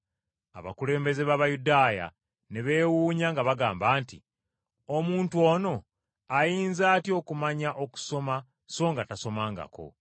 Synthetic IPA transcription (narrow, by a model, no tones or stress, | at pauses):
a̰βa̰kule̞ːmbe̞ze̞βaβajudaːja̰ | ne̞βe̞ːwuːɲaŋɡaβaɡaːmbaːntḭ | omuːntuo̞ːno̞ | ajiːnzaːtjo̞ːkumaɲaʔo̞ku̥so̞ma | so̞ːŋɡataso̞maːŋɡa̰ko̞̰